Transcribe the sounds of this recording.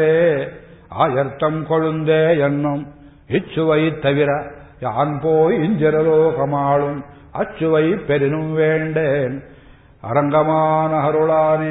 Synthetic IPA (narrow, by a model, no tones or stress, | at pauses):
eː | a̰ːjɐɾt̪ːɐmkɔɻund̪eːenːum | it͡ʃːuʋɐjt̪ːɐʋiɾɐ | jaːnpoːjiːɲd͡ʒɐɾɐloːkɐmaːɭum | ɐ̰t͡ʃːuʋɐjpeɾinumʋeːɳɖeːn | ɐ̰ɾɐŋɡɐmaːnɐɦɐɾuɭaːne